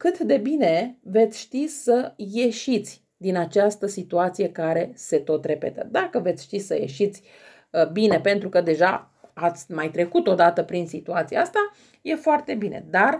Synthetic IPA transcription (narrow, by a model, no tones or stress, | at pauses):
kɨt̪d̪e̞bine̞ve̞t̪sʲʃt̪isəje̞ʃit̪sʲ | d̪inat͡ʃast̪əsit̪uat̪sije̞kaɾe̞se̞t̪o̞t̪ɾe̞pe̞̰t̪ə̰d̪akəve̞t̪sʲʃt̪isəje̞̰ʃit̪sʲ | bine̞pe̞nt̪ɾukəd̪e̞ʒa̰ | at̪sʲmajt̪ɾe̞kut̪o̞d̪at̪əpɾinsit̪uat̪siaast̪a | je̞foart̪e̞binʔe̞̰d̪ar